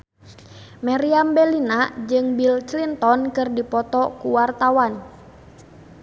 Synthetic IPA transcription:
maɾiambɛlinad͡ʒɨŋbilt͡ʃlint̪ɔnkɨrdipɔt̪ɔkuwart̪awan

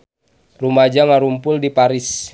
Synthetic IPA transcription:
rumad͡ʒaŋaɾumpʊldipaɾɪs

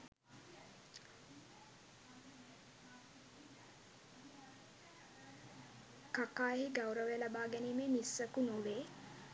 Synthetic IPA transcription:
kakaːjɦiɡawɾəʋelabaːɡɛnimeːmisːəkunuleː

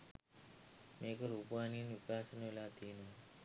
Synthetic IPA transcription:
meːkəɾupaːniːnikaːʃənolaːt̪ʰiːnu

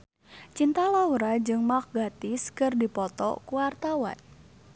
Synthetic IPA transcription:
t͡ʃint̪alauɾad͡ʒɨŋmak̚ɡat̪ɪskɨrdipɔt̪ɔ̰kuwart̪awa̰n

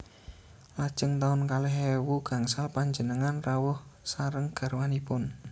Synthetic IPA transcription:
lad̥ʒ̥əŋt̪aʊnkaleɦewuɡ̥a̤ŋsalpaɲd͡ʒənəŋanrawʊhsaɾəŋɡ̥a̤ɾwanipʊn

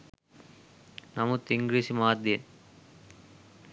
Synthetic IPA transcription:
nɐmut̪ːɪŋɡɾiːsimaːd̪jen

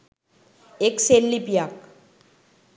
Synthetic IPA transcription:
ekselːipijak

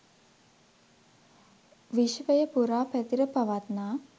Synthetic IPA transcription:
ʋiʃʋəjəpuɾaːpæt̪iɾəpaʋat̪naː

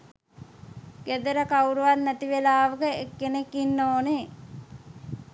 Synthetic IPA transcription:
ɡed̪əɾəkawɾuʋannæt̪iʋelaːʋəkəekːenekːinːoːne

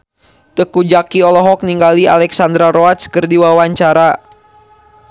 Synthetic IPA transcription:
t̪əkud͡ʒakiɔlɔɦɔk̚niŋɡalia̰lɛksand̪ɾaɾoat̪skərdiwawaɲt͡ʃaɾa

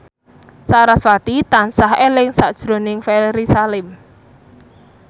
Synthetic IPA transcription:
saɾaswat̪it̪ansahelɪŋsad̥ʒ̥ɾonɪŋfɛlɾisalɪm

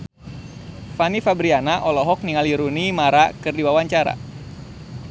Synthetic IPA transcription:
fanifabɾianaʔɔlɔɦɔk̚niŋaliɾunimaɾakɨrdiwawaɲt͡ʃaɾa̰

